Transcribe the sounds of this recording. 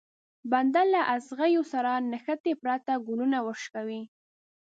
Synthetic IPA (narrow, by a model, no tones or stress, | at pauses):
band̪alːaʔasɣajosaɾanaxat̪epɾat̪aɡʊlunawəʃkawi